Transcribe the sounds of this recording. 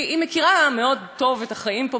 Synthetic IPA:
imekiʁame̞o̞d̚to̞vetaχaimpo

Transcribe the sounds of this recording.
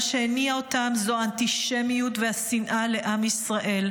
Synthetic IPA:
ʃeeniaotamzoant̪iʃemijut̪vehasinʔale̞ʔamisʁaʔe̞l

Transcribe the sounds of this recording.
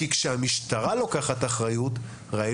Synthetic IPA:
ikʃehamiʃt̪aʁalo̞kaχat̪aχʁajut | ʁai

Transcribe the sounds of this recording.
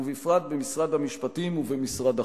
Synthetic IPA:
uvifʁat̪̚bemisʁad̪hamiʃpatimuvemisʁada

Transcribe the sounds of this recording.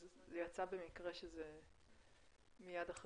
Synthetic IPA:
zejat͡sabe̞mikʁeʃeze | mijad̪aχ

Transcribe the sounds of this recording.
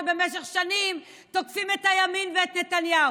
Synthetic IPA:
be̞meʃ̬eχʃanim | tokfimethajaminveet̪ne̞tanjau

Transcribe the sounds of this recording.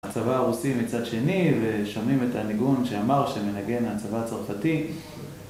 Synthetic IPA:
t͡savaːʁusimit͡sadʃe̞niveʃomimetaniɡunʃeamaʁʃeme̞naɡe̞naat͡savat͡saʁfati

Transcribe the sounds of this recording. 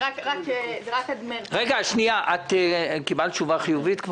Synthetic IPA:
akʁakʁakad̪menʁeɡaaʃniaʔat̪ekibalt͡ʃuvaχijuvit̪kv

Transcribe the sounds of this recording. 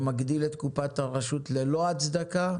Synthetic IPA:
maɡd̪ilet̪kupat̪aʁaʃut̪leloat͡sd̪aka

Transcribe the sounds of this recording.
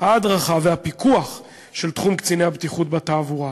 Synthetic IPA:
haːd̪ʁaχaveapikuaχ | ʃe̞lt̪χumkt͡sinehabt̪iχut̚bat̪aːvuʁa

